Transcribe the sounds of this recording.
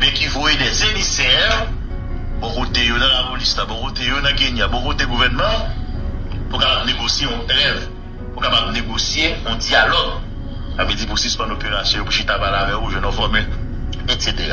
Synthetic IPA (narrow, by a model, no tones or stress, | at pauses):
bɛ̃kivojedɛzemisɛʁ | bɔ̃kot̪ejonɐ̃lapolislabɔ̃kotejonɐ̃ɡeniabɔ̃koteɡuvɛnmã | pukapab̚neɡosjeɔ̃lɛv | pukapabneɡosjeɔ̃d͡zialɔɡ | kabid͡zip̬usispãndopeʁasjɔ̃jopuʃitabalavɛuʒɛ̃nɔ̃fɔmɛ | etseteʁa̰